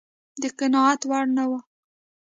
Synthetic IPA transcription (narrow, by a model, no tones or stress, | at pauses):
d̪əqanɑat̪waɽnawa